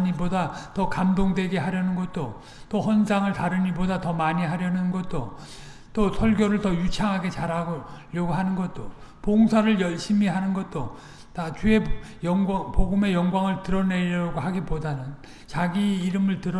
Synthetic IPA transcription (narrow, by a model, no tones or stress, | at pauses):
ɲibodatʌkamdoŋdwe̞ɡe̞ɦaɾjʌnɯnɡʌt̚t͈o | t͈ohʌnd͡ʑaŋɯɭtaɾɯɲibodatʌmaɲiɦaɾjʌnɯnɡʌt̚t͈o | t͈osʰʌɭɡʲjʌɾɯɭtʌjut͡ɕʰaŋɦaɡe̞t͡ɕaɾɦaɡʎjʌɡoɦanɯnɡʌt̚t͈opoŋsʰaɾɯɭjʌɭɕ͈imiɦanɯnɡʌt̚t͈o | tat͡ɕue̞jʌpoɡume̞jʌŋɡwaŋɯɭtɯɾʌneɾʌɡoɦaɡipodanɯn | t͡ɕaɡiːɾɯmɯɭtɯɾʌ